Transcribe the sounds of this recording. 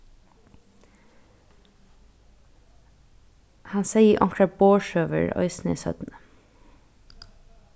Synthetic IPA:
hɑnseɪəʔɔŋkʰɾɑboːʃøːʋə̰ɹœ̰ʏsn̩ḭːsœ̰d̪̥n̩

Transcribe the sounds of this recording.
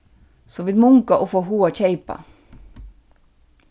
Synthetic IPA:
soːʋiːd̪mʊŋkaʔoːfoːɦuːac͡çeɪpɑ̰

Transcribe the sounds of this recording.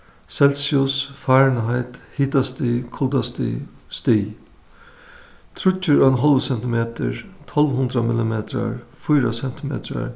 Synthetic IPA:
sɛlsiʊsfaːɹnɦaɪt̪hiːt̪ast̪ikʰɔld̪ast̪st̪i | t̪ʰɾʊt͡ʃːəɹœnɦɔlʋəsɛnt̪ɪmeːt̪ʰə̰ɹt̪ʰɔlʋɦʊnd̪ɾɐmɪlɪmeːt̪ʰɾa̰ɹfujɾasɛnt̪ʰɪmḛːt̪ʰɾa̰ɹ

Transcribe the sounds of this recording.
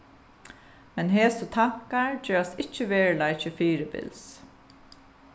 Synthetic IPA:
mɛnɦeːsɔt̪ʰɑkaɹd͡ʒøːɹasɪcːəʋeːɹlɑɪçəfiːɾəbɪ̰ls

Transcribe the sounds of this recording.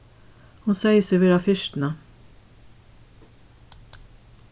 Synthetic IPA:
hʊnseɪjsɪʋɛːɹafɪʃt̪na

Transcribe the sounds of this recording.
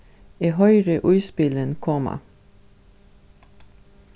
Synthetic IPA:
eɦœʏɾəʔʉːspɪlənkʰɔma̰

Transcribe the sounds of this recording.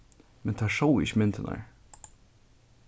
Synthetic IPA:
mɛnt̪ʰaʂowɪ̰çmɪnt̪ɪna̰ɹ

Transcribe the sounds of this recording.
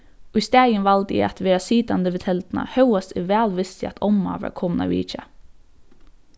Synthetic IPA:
ɔist̪æːjənʋɑld̪ɪ̰ɑt̪ʋeːɾasiːd̪and̪əʋɪt̪ʰɛlt̪nɑ̰hœʊasɪʋæːlʋɪst̪ɪɑ̰t̪ʰɔma̰ːʋæ̰ɾkʰɔmnɑ̰ʋḭːt͡ʃə̰

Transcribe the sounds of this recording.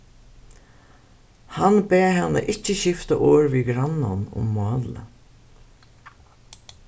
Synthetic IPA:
hanbeːɦɛnːa̰ʔɪcːəɕɪft̪aʔɔːɹʋiɡɾanːanʊ̰mːɑːlə̰

